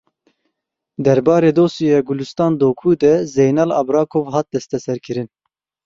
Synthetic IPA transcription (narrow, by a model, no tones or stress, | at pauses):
d̪ɛɾbɑːɾeːd̪oːsiɛːɡulust̪ɑːnd̪oːkʰuːd̪ɛzejnɑːlɑ̰bɾɑːkʰoːvɦɑːt̪̚d̪ɛst̪ɛsɛɾkʰɨɾɨn